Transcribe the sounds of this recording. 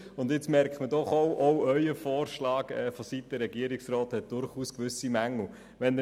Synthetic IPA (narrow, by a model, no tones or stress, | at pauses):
ʊndɪt͡smɛɾkχtmədɔχowʔoœʏəfɔːɾʃlɑːɡɛ̰ːfosit̚d̥əɾɛɡiəɾiksrɔːthɛt̚d̥ʊɾχuːskʋʏsimæŋl̩ | ʋɛnə